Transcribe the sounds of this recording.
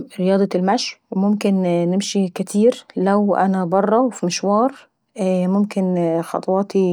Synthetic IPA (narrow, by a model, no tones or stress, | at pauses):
ɾejɑːd̪ˤɑlmæʃwemomkennɪmʃikæt̪ʰiːɾlæwʔæ̰næbɑrˤːɑwfimɪʃwɑːɾˤ | momkenxɑ̰t̪ˤɑwɑːt̪i